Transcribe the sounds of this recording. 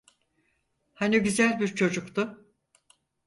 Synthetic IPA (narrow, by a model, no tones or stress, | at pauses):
haniɟyzælʲbiɾt͡ʃʰo̞d͡ʒukt̪ʊ